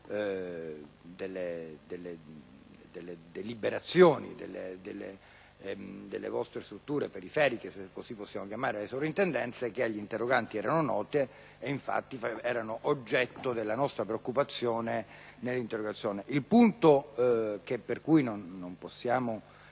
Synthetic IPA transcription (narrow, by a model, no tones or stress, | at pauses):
d̪elːed̪elːe | d̪elːed̪elibeɾat̪sːjoːnḭd̪ḛlːed̪elːe | d̪elːḛvɔst̪ɾest̪ɾut̪ːuːɾepeɾifɛːɾikesekːosipːosːjaːmokjamaːɾelesopɾint̪end̪ɛnt̪sek̟eaʎːint̪erːoɡant̪iɛːɾanonɔːt̪eː | iɱfa̰t̪ːifɛːɾanoʔod͡ʒːɛt̪ːod̪elːanɔst̪ɾapɾeokːupat̪sːjoːnenelːint̪erːoɡat̪sːjoːneʔilpunt̪ok̟epːerkujnonːomposːjaːmo